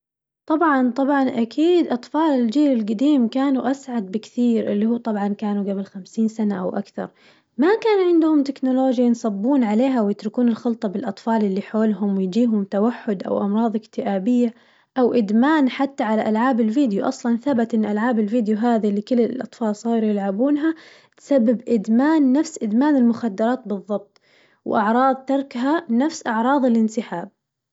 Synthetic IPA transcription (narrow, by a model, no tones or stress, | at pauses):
t̪ˤɑbʕɑnt̪ˤɑbʕɑnʔakʰiːd̪ʔɑt̪ˤfɑːlɪld͡ʒiːɾɪlɡad̪iːmkaːnuʔasʕad̪̚bɪkθiːɾʔɪ̰lːihuːt̪ˤɑbʕɑnkaːnuɡabɪlxamsiːnsanaʔa̰wʔa̰kθɑ̰ɾˤ | makaːnʕɪnd̪ʊhʊmt̪ɪknʊloːd͡ʒjansˤɑbːuːnʕaleːɦawjɪt̪ɾɪkuːnɪlxɪlt̪ˤɑbɪlʔɑt̪ˤfɑːlʔɪlːiħoːlɦʊmwɪjd͡ʒiːɦʊmt̪awaħːʊd̪ʔa̰wʔɑmɾˤɑːðˤɪkt̪ɪʔaːbɪjːa | ʔawʔɪd̪maːnħat̪ːaʕalaʔalʕaːbɪlviːd̪juʔɑsˤlɑnθabat̪ʔɪnːʔalʕaːbɪlviːd̪ɪjuɦaːðilːikɪlːɪlʔɑt̪ˤfɑːlsˤiːɾjɪlʕabuːnɦa | t̪sabːɪbʔɪd̪maːnːafsʔɪd̪maːnɪlmʊxad̪ːɑɾˤɑːt̪bɨðˤːɑb̚t̪ˤ | wʔɑʕɾˤɑːðˤt̪ɑɾˤkɦanafsʔɑʕɾˤɑːðˤɪlʔɪnsɪħaːb̚